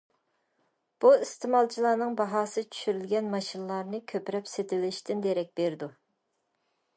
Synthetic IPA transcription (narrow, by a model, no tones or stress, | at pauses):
b̥uist̪ɪmɑlˠt͡ʃʰilˠɑːnɨŋbɑɦɑːsɨt͡ʃʰy̥ʃyɾylɡʲɛnmɑʃinlˠɑɾnɨkʲʰøpɾɛpset̪ʰɪlɪʃt̪ʰɪnd̪eɾɛk̚ʲbeɾd̪u